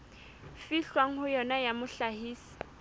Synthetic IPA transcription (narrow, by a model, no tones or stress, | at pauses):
fiɬwaŋ̩hʊjɔnajamʊɬahiːsi̥